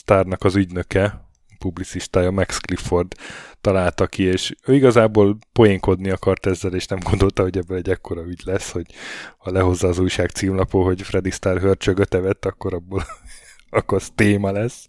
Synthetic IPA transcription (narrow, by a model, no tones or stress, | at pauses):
st̪aːrnɒkɒzyɟnø̞kɛ | publit̪siʃt̪aːjɒmɛksklifo̞rd̪t̪ɒlaːlt̪ɒkieːʃøːiɡɒzaːboːlpo̞jeŋko̞d̪niɒkɒrt̪ɛzːɛleːʃnɛmɡo̞nd̪o̞lt̪ɒɦo̞ɟɛbːølɛɟːɛkːo̞ɾɒyɟlɛsːho̞ɟ̥hɒlɛɦo̞zːaːzujʃaːkt̪siːmlɒpoːɦo̞ɟfrɛd̪ist̪aːrɦørt͡ʃøɡøt̪ɛvɛt̪ːɒkːo̞ɾɒbːol | ɒkost̪eːmɒlɛs